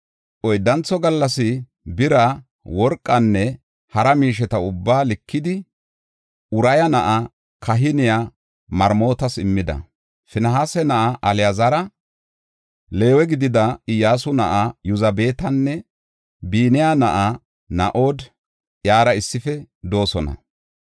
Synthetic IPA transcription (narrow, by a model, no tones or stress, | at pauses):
ʔɔjd̪ɐnt͡sːɔɡɐlːɐsɪ | bɪɾɐ | wɔɾkʼːɐnːɛ | hɐɾɐmiːʃ̬ɛt̪ɐʊbːaːlɪkʰːɪd̪ɪ | ʊɾɐjɐnɐʔɐ | kɐɦɪnɪja | mɐɾmo̞ːt̪ɐsɪmːɪd̪ɐ̰ | fɪnɐɦaːsɛnɐʔaʔɐlɪjɐzɐɾɐ | le̞ːwɛɡɪd̪ɪd̪ɐɪjaːsʊnɐʔajʊzɐbe̞ːt̪ɐnːɛ | biːnɪjaːnɐʔa | nɐ̰ʔo̞ːd̪ | jaːɾɐɪsːɪfɛd̪o̞ːsɔnɐ̰